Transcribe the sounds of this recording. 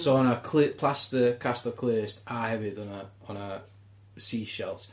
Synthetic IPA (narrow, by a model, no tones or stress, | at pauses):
soʊə̃nəkʰlɪpʰl̥astəkʰastəkʰl̥ɪːɹɪstaːhɛvɪdənəə̃nə | siːʃɛ̰lˠt